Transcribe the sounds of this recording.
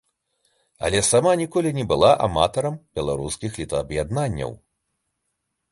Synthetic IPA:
ɐ̰lʲɛsamanʲikɔlʲinʲɛbɨlˠaʔa̰mat̪ɐɾɐmbʲɛlˠaɾuskʲixlʲit̪ɐːbjad̪nanʲːɐ̰w

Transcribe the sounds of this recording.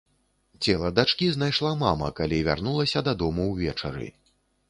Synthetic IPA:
t͡sʲɛlˠɐd̪at͡ʂkʲiznajʂlˠamamɐ̰kalʲivʲa̰rnulˠɐsʲɐd̪ad̪ɔmuwvʲɛt͡ʂɐ̰ɾɨ̰

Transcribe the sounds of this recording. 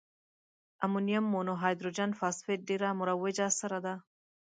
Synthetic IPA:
ɐmunijɐmːonoɦaːjd̪ɾud͡ʒanfaːsfeɖiɾaːmuɾɐwed͡ʒaːsɐɾɐd̪a

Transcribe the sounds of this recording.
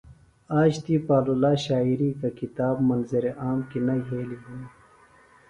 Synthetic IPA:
aːɕt̪ipaːlulaːɕaːiɾiːkakit̪aːbmɐnzɐɾeʔaːmkinɐjɦeːliɦun

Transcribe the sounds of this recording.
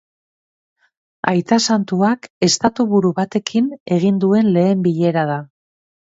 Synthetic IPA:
a̰jt̪asant̪uake̞st̪at̪uβuɾuβat̪e̞kʰine̞ɣ̞ind̪ue̞nle̞ːmbiʎe̞ɾað̞a

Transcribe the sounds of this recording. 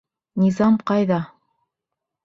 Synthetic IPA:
nʲizɑmqɑjðɑ

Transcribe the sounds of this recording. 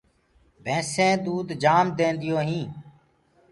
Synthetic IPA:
bʱẽːsẽːd̪uːd̪d͡ʒaːmd̪eːnd̪ɪjoːɦĩː

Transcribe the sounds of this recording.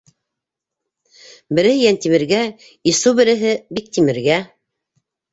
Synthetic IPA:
bɘ̆ɾɘ̆hɘjænt̪imɘ̆ɾɡæ | isubɘ̆ɾɘ̆ɦɘbik̚t̪imɘ̆ɾɡæ

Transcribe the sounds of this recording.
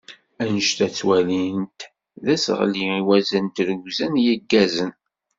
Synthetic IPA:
ænəʃt̪æt͡sːwælint̪ | ðæsə̰ʁliiwæzənt̪ɾəɡzænjəɡːæzən

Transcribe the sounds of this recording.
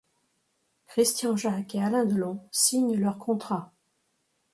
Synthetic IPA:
kχist̪jɑ̃ʒakealɛ̃d̪əlɔ̃siɲlœʁkʰɔ̃t̪χa

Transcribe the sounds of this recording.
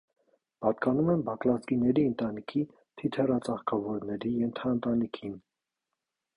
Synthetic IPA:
pɑt̪kɑnumɛnbɑklɑzɡinɛɾiənt̪ɑnikʰi | t̪ʰit̪ʰɛrɑt͡sɑχkʰɑvɔɾnɛɾijɛnt̪ʰɑənt̪ɑnikʰin

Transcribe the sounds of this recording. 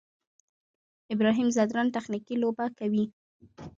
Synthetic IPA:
ɪbɾɑɦimzad̪ɾɑnt̪axnikilobakawi

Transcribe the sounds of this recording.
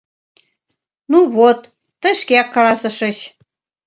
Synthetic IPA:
nuβot̪ː | ə̆ʃkeɑkːɑlɑsə̆ʃə̆t͡ɕ

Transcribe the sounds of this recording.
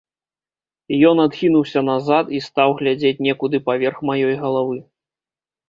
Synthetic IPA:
ijɔnad̪xʲinuwsʲɐnazat̪ist̪awɣlʲad͡zʲet͡sʲnʲɛkud̪ɨpavʲɛrxmajɔjɣɐlˠavɨ

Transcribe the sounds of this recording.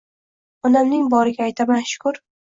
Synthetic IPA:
ɒnamnɪŋbɒɾɪɡʲaːjt̪ʰamanʃʊ̥kʰʊɾ

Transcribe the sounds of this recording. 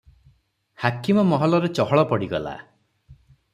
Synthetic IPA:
hakimɔmɔɦɔlɔɾet͡ʃɔɦɔɭɔpɔɽiɡɔla̰

